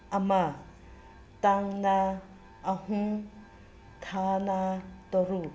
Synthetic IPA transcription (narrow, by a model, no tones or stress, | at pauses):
ama | taŋnaː | hũ | tʰanat̪ɔɾu